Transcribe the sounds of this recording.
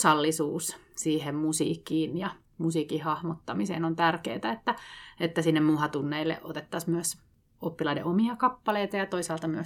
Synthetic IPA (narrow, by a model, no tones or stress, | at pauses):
sɑlːisuːssiːhemmusḭːkːˑiːnjɑ | musiːkihɑhmot̪ːɑmisḛːnont̪ærkḛːt̪æet̪ːæet̪ːæsinːemmuhɑt̪unːeilːḛʔot̪et̪ːɑsmyøs | opːilɑidḛʔomiɑkɑpːɑleit̪ɑjɑt̪oisɑːlt̪ɑmyø